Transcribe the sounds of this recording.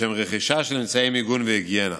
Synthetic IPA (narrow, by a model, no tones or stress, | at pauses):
ɛmʁɛχiʃaʃɪlɪnt͡saimɪɡunvɪiɡjɛna̰